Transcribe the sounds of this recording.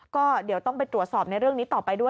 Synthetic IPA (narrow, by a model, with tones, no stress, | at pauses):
kɔː˥˩di˩˦əwt̪ɔ˥˩ŋp̬a˧jt̪ɾu˨˩ət̪sɔː˨˩p̚na˧jɾɯ˥˩əŋniː˦˥t̪ɔː˨˩pa˧jdu˥˩ə